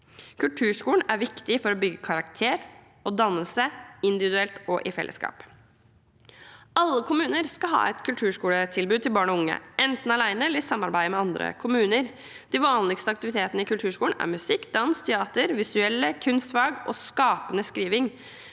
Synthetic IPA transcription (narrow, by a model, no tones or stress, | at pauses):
kʰʉlʈʰʉːʂkuːɳ̩æɾʋɪkt̪ɪfɔɾɔbʏɡəkʰɑɾɑkt̪ʰeːɾ | ɔd̪ɑnːəlsəɪnd̪ɪʋɪd̪ʉɛlt̪ɔʔɪfɛ̰lʔə̰skɑ̰ːp | ɑlːəkʰʊmʉːnəɾskɑɦɑ̰ːɛt̪kʰʉlʈʰʉːʂkuːlət̪ʰɪlbʉːd̪t̪ʰɪlbɑːɳɔʊŋːə̰ʔɛnt̪n̩ɑlæɪnəɛləɾɪsɑmːɑɾbæɪd̪əmɛɑnd̪ɾə̰kʰʊmʉːnəɾ | d̪̥iʋɑːnlɪɡst̪əɑk̚t̪ɪʋɪt̪ʰeːt̪ənəɪkʉlʈ̪ʰʉːʂkuːlɳ̩æ̰ɾmʉsɪkːd̪ɑnst̪ʰɛɑːt̪əɾʋɪsʉɛlːəkʰʉnst̪ʋɑːɡʔɔ̰skɑːpənəskɾiːʋɪŋ